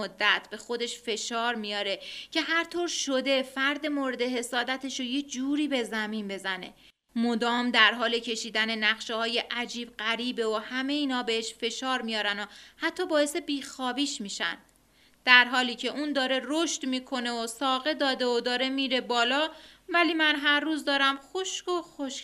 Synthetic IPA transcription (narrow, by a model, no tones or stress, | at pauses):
od̪ːæt̪ʰbe̞xo̞d̪e̞ʃfe̞ʃɒːɾmijɒːɾecʰe̞ɦæɾt̪ʰoɾʃo̞d̪e̞fæɾd̪e̞moːɾe̞d̪e̞ɦe̞sɒːd̪æt̪ʰe̞ʃoje̞d͡ʒuːɾiːbe̞zæminbe̞zæne̞̰ | mod̪ɒːmd̪æɾɦɒːle̞cʰe̞ʃiːd̪æne̞næχʃehɒːje̞ʔæd͡ʒiːb̚ɢæɾiːbe̞ohæme̞jiːnhɒːbe̞heʃfe̞ʃɒːɾmijɒːɾænohæt̪ʰːɒːbɒːje̞se̞biːxɒːbiːʃmiːʃæ̰nd̪ | d̪̥æɾɦɒːliːcʰe̞ʔuːnd̪ɒːɾe̞roʃt̪miːkʰo̞ne̞osɒːɣe̞d̪ɒːd̪e̞od̪ɒːɾe̞miːɾe̞bɒːlɒːvæliːmænɦæɾːuːzd̪ɒːɾæmxo̞ʃkoxoʃ